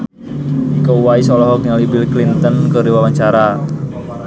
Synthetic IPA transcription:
ikowaisɔlɔɦɔk̚ɲalibilklint̪ɔnkərdiwawaɲt͡ʃaɾa

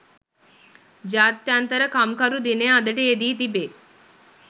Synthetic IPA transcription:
d͡ʒat̪ːjant̪əɾəkamkaɾud̪inead̪əʈeed̪iːt̪ibe

